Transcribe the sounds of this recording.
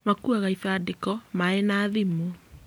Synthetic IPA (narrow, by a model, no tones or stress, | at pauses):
makuaɣaifadikɔmaenaðimu